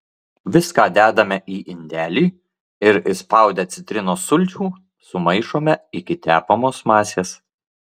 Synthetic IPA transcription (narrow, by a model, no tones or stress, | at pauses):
ʋʲɪskɑːd̪ʲæːd̪ɐmʲɛʔiːʔɪnʲd̪ʲæːlʲiː | ɪɾɪspɑˑʊd̪ʲɛt̪sʲɪt̪ʲɾʲɪnoːsʊlʲt͡ʃʲuː | sʊmɐɪʃoːmʲɛɪkʲɪt̪ʲæːpomoːsmɑːsʲeːs